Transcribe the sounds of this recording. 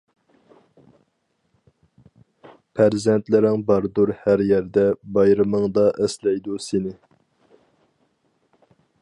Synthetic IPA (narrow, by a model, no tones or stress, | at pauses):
pʰæɾzɛnt̪lɪɾɪŋbɑɾd̪uɾhæɾjɛɾd̪ɛbɑjɾɨmɨŋd̪ɑʔɛslɛjd̪usɪnɪ